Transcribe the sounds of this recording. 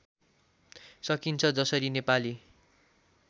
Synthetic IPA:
sʌkint͡sʰʌd͡zʌsʌɾinepali

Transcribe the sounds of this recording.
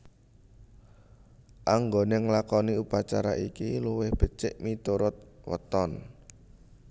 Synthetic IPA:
ʔaŋɡoneŋlakɔniupat͡ʃaɾaʔikiluwɪhb̥ə̤t͡ʃɪʔmit̪uɾʊt̪̚wə̰t̪ɔn

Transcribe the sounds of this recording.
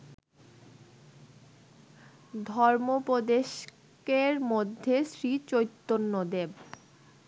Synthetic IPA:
d̪ʱɔɾmopɾod̪eʃ | keɾmod̪ʱːesɾit͡ɕojt̪ːonːod̪eb

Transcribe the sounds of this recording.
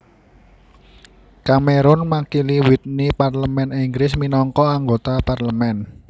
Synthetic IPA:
kameɾʊnmakiliwit̪̚niparləmɛniŋɡɾɪsminɔŋkɔaŋɡot̪aparləmɛn

